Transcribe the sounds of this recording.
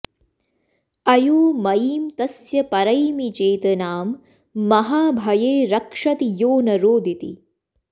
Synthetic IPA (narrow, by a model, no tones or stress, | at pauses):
ɐjuːmɐjiːmt̪ɐsjɐpɐɾɐjmit͡ʃeːt̪ɐnaːmː | ɐɦaːbʱɐjeːɾɐkʂɐt̪ijoːnɐɾoːd̪ʱit̪ḭ